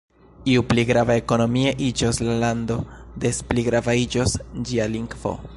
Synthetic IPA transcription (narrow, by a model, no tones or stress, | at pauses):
iupliɡɾavaeko̞no̞mieʔid͡ʒoslalando̞de̞spliɡɾavaid͡ʒo̞sd͡ʒialiŋɡvo̞̰